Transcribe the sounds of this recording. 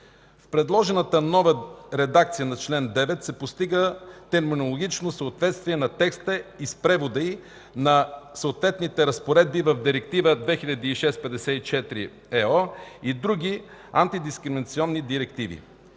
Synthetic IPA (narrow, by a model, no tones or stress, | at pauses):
fpɾɛd̪lˠɔʒɛnət̪ənɔvəɾɛd̪akt̪sijənɐt͡ʃlɛnd̪ɛvɛt̪sɛpost̪iɡət̪ɛɾminolˠoɡʲit͡ʃnosəot̪vɛt̪st̪viɛnɐt̪ɛkst̪əispɾɛvod̪əi | nɐsəot̪vɛt̪nit̪ɛɾəspoɾɛd̪̚bivɐvd̪iɾɛk̚t̪ivəd̪vɛxiʎʲɐd̪iːʃɛspɛd̪ɛsɛit͡ʃɛt̪ɾḭ | ɛɔid̪ɾuɡʲia̰nt̪id̪iskɾɛminɐt̪siɔnːid̪iɾɛk̚t̪ivḭ